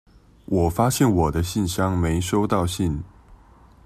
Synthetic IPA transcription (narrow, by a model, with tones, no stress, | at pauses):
wʔɔ˨˩fa˥ɕjɛ˥˩nwɔ˨˩d̪ə˦ɕi˥˩nɕjɑ˥ŋme˧˥ɪʂo˥ʊt̪ɑ˥˧ʊɕi˥˩n